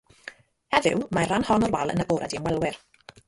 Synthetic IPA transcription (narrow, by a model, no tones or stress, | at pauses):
ɛðɪ̰wmaranhɔnɔrwalˠə̰nəboːɾadiənwɛlˠwɪr